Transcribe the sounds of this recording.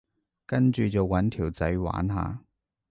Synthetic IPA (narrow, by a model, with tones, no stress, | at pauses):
kɐ˥nt͡ʃyː˨t͡sɐ˨wwɐ˨˥nt̪ʰiː˨˩wt͡sɐ˨˥jwa̰ː˨˥nɦa̰ː˨˧